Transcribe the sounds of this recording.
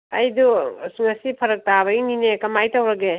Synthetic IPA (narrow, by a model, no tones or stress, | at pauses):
ɐjdusŋɐsipʰɐɾɐk̚taβɐɡininekɐmajtɐwɾɐɡe